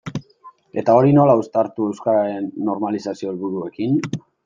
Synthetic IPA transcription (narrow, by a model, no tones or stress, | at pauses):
e̞t̪ao̞ɾino̞laust̪aɾt̪ue̞wskaɾaɾe̞nːo̞ɾmalisasio̞elβuɾue̞kin